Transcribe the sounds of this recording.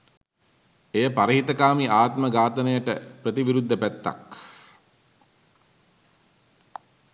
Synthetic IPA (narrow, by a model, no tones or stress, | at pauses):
ejəpaɾəɦit̪əkaːmiʔaːt̪məɡaːt̪ənəjəʈəprət̪iʋiɾud̪ʱːəpæt̪ːa̰k